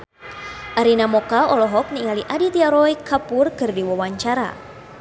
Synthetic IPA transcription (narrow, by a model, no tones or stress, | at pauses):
ʔaɾinamɔkaɔlɔɦɔk̚niŋaliʔadit̪iaɾɔjkapʊrkɨrdiwɔwaɲt͡ʃaɾa̰